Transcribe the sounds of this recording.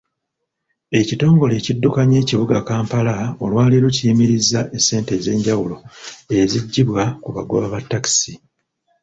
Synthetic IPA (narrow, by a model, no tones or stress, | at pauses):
e̞cito̞ːŋɡo̞le̞ːcidːukaɲe̞ːciβuɡakaːmpalao̞lwaːliɾuciimiɾizːaʔesːe̞ːnte̞ze̞ːɲɟawulo̞e̞ziɟːiβwakuβaɡoβaβatːaki̥si